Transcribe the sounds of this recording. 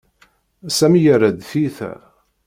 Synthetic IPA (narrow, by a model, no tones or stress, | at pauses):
sæmjəɾæd̪θiθæ̰